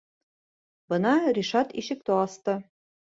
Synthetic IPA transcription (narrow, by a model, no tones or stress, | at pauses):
bɤ̆nɑɾiʃɑt̪iʃɘ̆k̚t̪oɑst̪ɤ